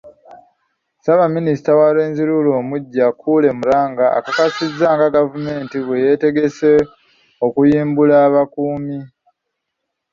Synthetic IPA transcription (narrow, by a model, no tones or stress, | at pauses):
saβaminisi̥tawale̞ːnziɾulo̞ːmuɟːakuːle̞muɾaːŋɡaa̰kakasizːaːŋɡaɡavume̞ːntiβweje̞te̞ɡe̞se | okujiːmbulaːβakuːmi